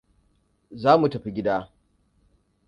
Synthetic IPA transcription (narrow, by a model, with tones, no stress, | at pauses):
zaː˦mu˨tɐ˨ɸi˦ɡʲɪ˦daː˦